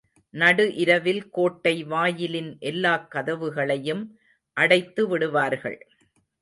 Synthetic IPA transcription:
nɐɽɯʔɪɾɐʋɪlkoːʈːɐɪʋaːjɪlɪnʔɛlːaːkːɐðɐʋɯɣɐɭɐjɯm | ʔɐɽɐɪt̪ːɯʋɪɽɯʋaːɾɣɐ̰ɭ

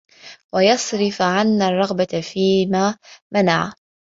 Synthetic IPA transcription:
wajɑsˤɾɪfʕanːarˤːɑɣbafiːmaːmanaʕa

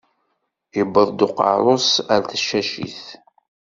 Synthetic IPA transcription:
ibːəðˤd̪ʊqɑ̰ɾˤosæɾθəʃːæʃḭθ

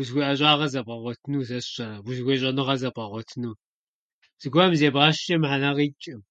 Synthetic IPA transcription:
buzɡʷiʔɐɕʼaːʁɐzɐbʼʁɐʁʷɔtʰɨnuːsɐsɕɐɾɐbuzwʷeːɕʼɐnɨʁɐzɐbʼʁɐʁʷɔtʰɨnuː | z̥ɨɡʷɐmzeːbʁaːʃɐmħanaʁiːt͡ʃʼɪm

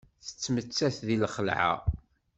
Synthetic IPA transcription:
θə̥t͡sːmət͡sːæθðilχəlʕa̰

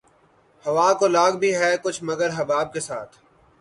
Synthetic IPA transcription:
hɐʋaːkolaːɡ̚bʱiɦɛkʊt͡ʃʰmɐɡəɾɦɐbaːb̚kesaːt̪ʰ

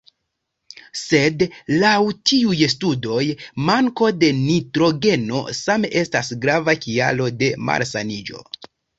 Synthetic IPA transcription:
se̞dlawtʰiujstudo̞jmaŋko̞de̞nitɾo̞ɡe̞no̞̰sameʔe̞stasɡɾavakia̰lo̞de̞ma̰ɾsanid͡ʒo̞̰

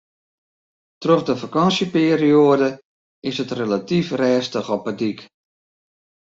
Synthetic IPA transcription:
trɔfdəfakɑnsjəpiːɾioədə | ɪsətrelatifrɛːstəxɔpədik

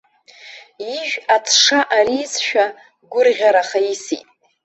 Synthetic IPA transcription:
iʒᶣat͡sʰʂaʔaɾiːsʃᶣa | ɡʷʊrʁʲaɾaχaisḭtʼ

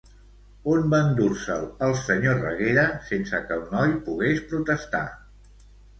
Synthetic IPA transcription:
onband̪uɾsələlˠsəɲorə̰ɣeɾəsensəkəlˠnɔjpuɣespɾut̪əst̪a̰

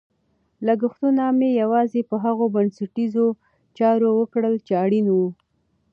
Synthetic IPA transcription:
laɡʊxt̪unamejawɑzepəɦaɣobansaʈizo | t͡ʃɑɾowəkɽəlt͡ʃeaɽinwu

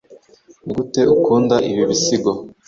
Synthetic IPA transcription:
ɡute̞ukuːndaʔiβiβisiɡo

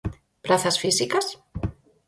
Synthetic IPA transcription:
pɾaθasfisikas

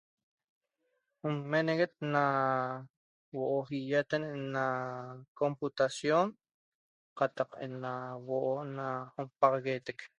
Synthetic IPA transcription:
umːeneɣet̪̚na | woʔoɦijat̪enenakomput̪asjon | qɑt̪ɑqḛnawoʔonaompɑʁɣet̪ek

